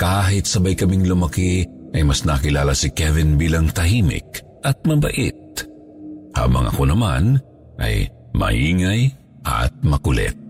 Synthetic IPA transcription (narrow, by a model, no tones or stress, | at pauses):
kaːɦɪt̪̚sɐbajkɐmiŋlʊmɐkiʔɐjmɐsnakɪlaːlɐsɪkɛvɪnbiːlɐŋt̪ɐɦimɪ̰k̚ | ʔɐt̪̚mɐbɐ̰ʔḭt̪̚ | ha̰bɐ̰ŋʔɐ̰ko̞nɐman | ʔɐ̰j | mɐ̰hiːŋɐj | ʔɐ̰t̪̚mɐkʊlɛ̰t̪̚